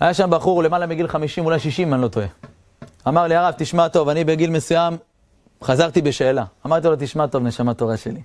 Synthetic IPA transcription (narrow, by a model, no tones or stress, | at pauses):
hajaʃambaχuʁle̞malamiɡilχamiʃimulajʃiʃimanlot̪oe | amaʁliaʁavt̪iʃmat̪o̞vanibe̞ɡilme̞sujam | χazaʁt̪ibe̞ʃe̞ːlaːmaʁt̪ilot̪iʃmat̪o̞vne̞ʃamat̪o̞ʁaʃe̞̰li